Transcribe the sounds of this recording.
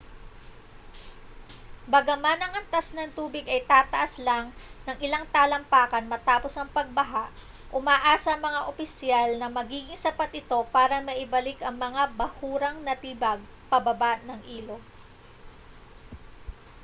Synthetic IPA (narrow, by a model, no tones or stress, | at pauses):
bɐɡɐmanɐŋɐnt̪asnɐŋt̪uːbɪɡɐjt̪aːt̪ɐʔɐslaŋnɐŋʔɪlaŋt̪aːlɐmpaːkɐnmɐt̪aːposɐŋpɐɡ̚bɐɦaʔ | ʔʊmaːʔaːsɐɐŋmɐŋaʔopɪsjalnɐmɐɡiːɡɪŋsɐpat̪̚ʔɪt̪o̞paːɾɐmɐʔɪbɐlɪkʔɐŋmɐŋabɐhuːɾɐŋnɐt̪iːbɐɡ̚pɐbɐbaʔnɐŋʔiːlo̞